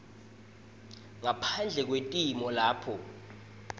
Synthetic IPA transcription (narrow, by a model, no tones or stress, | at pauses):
ŋapʰand͡ɮʱɛk̬wentʼimɔlaːpʰɔ